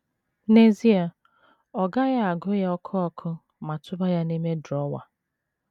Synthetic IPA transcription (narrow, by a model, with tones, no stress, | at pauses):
ne˨zi˦a˨ | ɔ˨ɡa˦ja˦a˨ɡʊ˦ja˦ɔ˦kʰʊ˦ɔ˦kʰʊ˦ | ma˨tʊ˦ba˦ja˦ne˦me˦dɔ˦wa̰˨